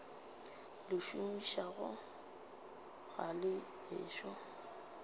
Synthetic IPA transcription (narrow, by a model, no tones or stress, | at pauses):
lɪʃumiʃaɣʊ | ɣalɪ | ɪ̰ːʃɔ